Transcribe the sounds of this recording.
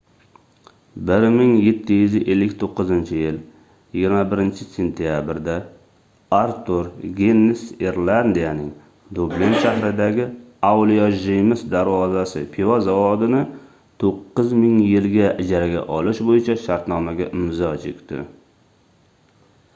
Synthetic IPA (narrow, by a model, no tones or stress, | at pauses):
bɪɾmɪŋje̞t̪ʰːɪjʏzɪʔelːɪkʲt̪ʰoqːɨzɪnt͡ʃʰɪjɪl | jɪɡʲɪɾmabɪɾɪnt͡ʃʰɪse̞nt̪ʰijabɪɾd̪a | aɾt̪ʰuɾɡʲenːɪseɾland̪ijanɪŋ | d̪oblinʃaɦɾɪd̪aɡʲɪ | awlijaʒijmɪsd̪aɾvɒzasɪ̰pʰivazavɒd̪ɪnɪ | t̪ʰoqːɨzmɪŋjɪlɡʲaʔɪd͡ʒaɾaɡʲa̰ʔɒlɪʃbojɪt͡ʃʰaʃaɾt̪nɒmaɡʲaʔɪmzɒt͡ʃʰekʲt̪ɪ̰